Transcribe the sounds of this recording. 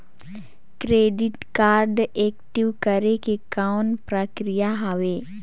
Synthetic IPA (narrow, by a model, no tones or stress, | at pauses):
kɾeːɖɪʈkaːɾɖeːkʈiʋkəɾekekawnpɾəkɾijaɦɐʋeː